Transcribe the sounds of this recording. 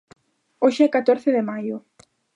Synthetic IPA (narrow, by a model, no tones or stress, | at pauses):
oʃɛkat̪oɾθeðemajʊ